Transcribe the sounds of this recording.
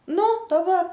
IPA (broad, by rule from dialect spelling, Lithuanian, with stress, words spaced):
ˈnʊ dɐˈbɐr